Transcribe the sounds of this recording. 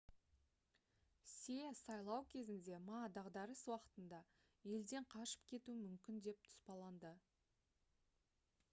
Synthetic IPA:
sesɑjlˠɑwkʲʰe̞zɪnd̪e̞mɑd̪ɑʁd̪ɑɾəswɑqə̥t̪ənd̪ɑ | je̞ld̪e̞ɴqʰɑʃə̥p̚kʲʰe̞t̪uɪmʏmkʲɪnd̪e̞p̚t̪ʰʊ̥spɑlˠɑnd̪ə

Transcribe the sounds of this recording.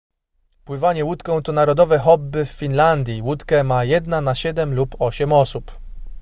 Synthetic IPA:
pwɘvaɲɛwut̪kɔ̃w̃t̪ɔnaɾɔd̪ɔvɛxɔbːɘfːʲinland̪ʲjiwut̪kɛmajɛd̪nanaɕɛd̪ɛmlupɔɕɛmɔsup

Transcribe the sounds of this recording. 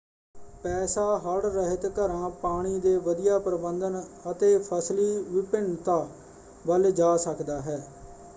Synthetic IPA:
pɛːsaːɦəɽɾəɦət̪kəɾãːpaːɽ̃iːd̪eːʋəd̪ijaːpɾəbənd̪ənət̪eːpʰəsliːʋɪpɪɳt̪aː | ʋəld͡ʒaːsəkd̪aːɦɛː

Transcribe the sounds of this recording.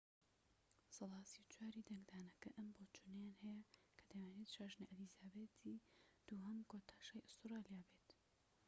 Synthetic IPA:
sɨlˠɑːsiwt͡ʃʰwaːɾiːd̪ɐŋɡd̪aːnɐkɐʔɐmboːt͡ʃʰunɐjaːnhɛjɐkʰɐd̪ɐwaːneːt̪ʃaʒniʔɐd̪izaːbeːt̪ʰiːd̪̥uːɦɐmkot̪ʰaːʃaːjʔʊst̪ɨɾaːlijaːbeːt̪

